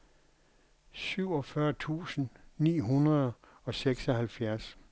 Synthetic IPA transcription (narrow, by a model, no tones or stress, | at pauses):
syʊ̰ɒ̽fɶːɐt͡sʰṵːsn̩nḭːɦunʁɐðˠ | ɒ̽seɡ̥sɒhælfjæɐs